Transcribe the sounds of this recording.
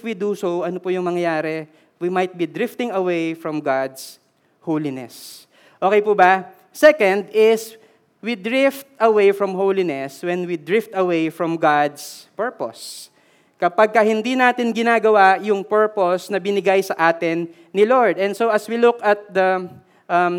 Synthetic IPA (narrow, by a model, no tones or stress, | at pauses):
fwid̪usowʔɐnopʊjʊŋmɐŋjɐjaːɾɛ | wimɐjt̪̚bid̪ɹɪft̪ɪ̃ŋɐwejfɹɔmɡad̪s | howlɪnɛ̰s | ʔoːkɛjpubɐ | sɛkɐ̃nd̪ɪs | wid̪ɹɪft̪ʔɐwejfɹɔmɦowlɪnɛswɛnwid̪ɹɪft̪ɐwejfɹɔmɡad̪spɛɹpo̰s | kɐpaɡ̚kɐhɪnd̪inaːt̪ɪnɡɪnaːɡɐwajʊŋpɛɹposnɐbɪnɪɡajsɐʔaːt̪ɪnː | ɪloɹd̪ɛ̃nsoʔɐswilʊkɐt̪̚d̪ɐ | ʔɐm